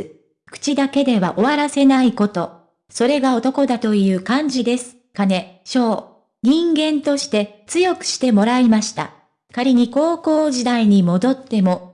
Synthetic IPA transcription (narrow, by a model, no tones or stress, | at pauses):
kɯ̟̥t͡ɕid̪ake̞d̪e̞βa̰ʔo̞βaɾase̞naiko̞t̪o̞ | so̞ɾe̞ɡao̞t̪o̞ko̞d̪at̪o̞jɯ̟ːkãɲ̟d͡ʑid̪e̞sɨ̥ | kane̞ɕo̞ː | ɲ̟ĩŋɡẽ̞nt̪o̞ɕi̥t̪e̞t͡sɨjo̞kɯ̟̥ɕi̥t̪e̞mo̞ɾaimaɕi̥t̪a̰ | kaɾʲiɲ̟iko̞ːko̞ːʑid̪aiɲ̟imo̞d̪o̞t̪ːe̞mo̞